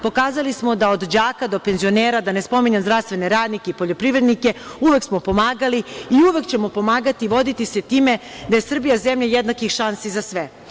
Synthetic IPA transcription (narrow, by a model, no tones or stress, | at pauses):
po̞kaːzalismo̞d̪aod̪d͡ʑaːkad̪o̞pe̞nzio̞neːɾad̪anespo̞miɲamzɾafst̪ʋe̞ne̞ɾaːd̪nikeipoʎo̞pɾiʋɾe̞d̪nike̞uʋe̞ksmo̞po̞maːɡaliiuʋe̞kt͡ɕe̞mo̞po̞maːɡat̪iʋo̞d̪it̪ise̞t̪iːme̞ | d̪aje̞sr̩bijazemʎajed̪nakixʃansizasʋe